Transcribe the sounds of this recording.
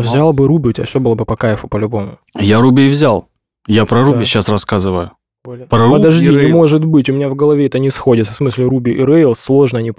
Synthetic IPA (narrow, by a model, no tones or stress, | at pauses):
vzʲalˠbɨɾubʲɪʊtʲa̰sʲobɨlˠəbɨpɐkajɪfʊpəlʲʊbo̞mʊ | jaɾubʲɪvzʲalˠ | japɾɐɾubʲɪɕːasrɐskazɨvəjʊ | bolʲpɾɐpəd̪ɐʐd̪ʲiɪmo̞ʐɨt̪bɨtʲʊmʲɪnʲavɡəlˠɐvʲeɛt̪ənʲɪsxo̞dʲɪt̪fsmɨsʲlʲɪɾubʲɪʔɪɾɛjlˠslˠo̞ʐnəɐnʲip